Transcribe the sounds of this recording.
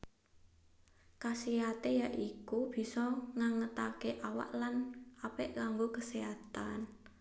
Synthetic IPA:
kasiat̪ejaʔikub̥i̤sɔŋaŋət̪akeʔawa̰ʔlanʔapɛʔkaŋɡokəsiat̪an

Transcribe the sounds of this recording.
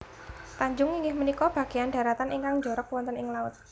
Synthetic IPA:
t̪aɲd͡ʒʊŋiŋɡɪhmənikɔb̥ä̤ɡ̥e̤janɖä̤ɾat̪anʔiŋkaŋd͡ʒɔɾɔk̚wɔnt̪ənɪŋlaʊt̪̚

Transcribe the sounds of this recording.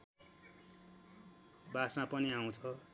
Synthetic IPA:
basãpʌniaw̃t͡sʰʌ

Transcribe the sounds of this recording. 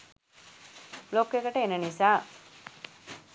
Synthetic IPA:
lokːekəʈəenənisaː

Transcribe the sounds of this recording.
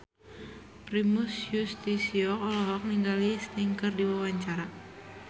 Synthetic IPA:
pɾimusjust̪isiɔkɔlɔɦɔk̚niŋɡalist̪iŋkərdiwawaɲt͡ʃaɾa

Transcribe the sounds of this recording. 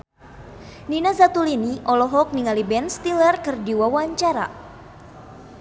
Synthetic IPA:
ninazat̪uliniʔɔlɔɦɔk̚niŋalibɛnst̪ilərkɨrdiwawaɲt͡ʃaɾa̰

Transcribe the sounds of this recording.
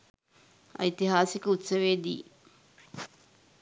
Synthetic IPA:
a̰it̪iɦaːsikəut̪səʋeːd̪ḭː

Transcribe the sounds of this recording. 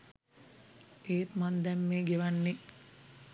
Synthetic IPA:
eːt̪mand̪ɛmːeːɡeʋanːe

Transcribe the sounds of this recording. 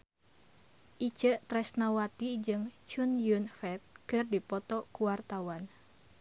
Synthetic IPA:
ʔit͡ʃəʔt̪ɾɛsnawat̪id͡ʒɨŋt͡ʃunjunfɛt̪̚kɨrdipɔt̪ɔkuwart̪awan

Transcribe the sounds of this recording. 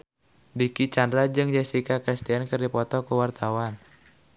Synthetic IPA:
dikit͡ʃandɾad͡ʒɨŋd͡ʒɛsikakɾist̪iankɨrdipɔt̪ɔkuwart̪awan

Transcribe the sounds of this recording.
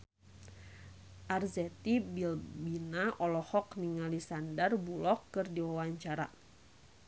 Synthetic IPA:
ʔarzɛt̪ibilbinaʔɔlɔhɔkniŋalisandərbulɔkːɨrdiwawaɲt͡ʃaɾa̰

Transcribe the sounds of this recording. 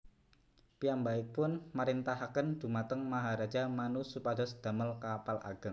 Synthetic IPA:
pijambaɪk̚pʊnmaɾint̪aɦakənd̥̪ṳmat̪əŋmaɦaɾad̥d͡ʒa̤manusupad̪ɔsd̪̥a̤məlkapalʔa̰ɡ̥ə̤ŋ

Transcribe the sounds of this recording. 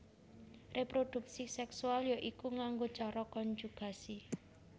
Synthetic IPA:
repɾod̪̥ṳk̚sisɛksualjɔʔikuŋaŋɡo̥t͡ʃɔɾɔkɔnd͡ʒuɡ̥a̤si

